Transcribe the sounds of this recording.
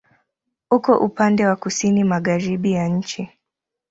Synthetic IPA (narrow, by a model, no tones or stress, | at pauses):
ukɔʔupandɛwakusinimaɠaɾiɓijaɲ̩t͡ʃi